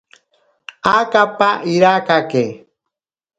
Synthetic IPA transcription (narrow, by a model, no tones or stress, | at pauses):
akapaʔiɾakake